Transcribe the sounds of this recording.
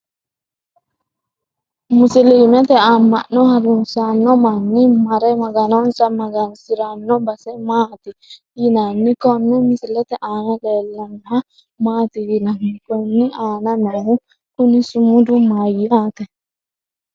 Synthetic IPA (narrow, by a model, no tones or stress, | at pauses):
musilimɛt̪ɛamːannɔhaɾunsanːɔmanːimaɾɛmaɡanɔnsamaɡansiɾanːɔbasɛmat̪i | jinanːikɔnːɔmisilɛt̪ɛʔanadɛlanha | mat̪ijinamːikɔnːiananahu | kunisumudumajːatɛ